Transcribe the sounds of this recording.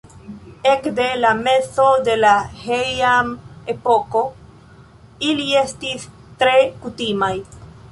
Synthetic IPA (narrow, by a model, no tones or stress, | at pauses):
e̞kde̞lame̞so̞de̞lahejamepo̞ko̞ | ilie̞stis | tɾe̞kutimaj